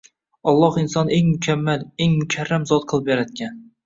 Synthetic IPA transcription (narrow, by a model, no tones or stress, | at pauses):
ɒlˠːɒhɪnsɒne̞ŋmʊkʲʰamːaleŋmʊkʲʰaɾːamzɒt̪̚qʰɨlˠɪpjaɾad̪̚kʲʰan